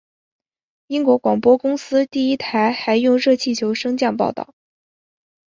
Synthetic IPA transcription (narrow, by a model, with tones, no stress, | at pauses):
i˥ŋkwɔ˧˥kwɑ˨˩ŋpwɔ˥kʊ˥ŋsɹ̩˥t̪i˥˩i˥t̪ʰa˧˥ɪxa˧˥ɪjʊ˥˧ŋɻɤ˥˧t͡ɕʰi˥˩t͡ɕʰjo˧˥ʊʂɤ˥ŋt͡ɕjɑ˥˧ŋp̬ɑ̰˥˧ʊt̪ɑ̰˥˩ʊ